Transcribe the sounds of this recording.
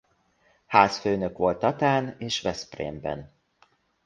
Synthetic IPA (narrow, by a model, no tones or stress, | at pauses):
haːsføːnø̞kʋo̞lt̪ɒt̪aːneːʃʋɛsprḛːmbɛ̰n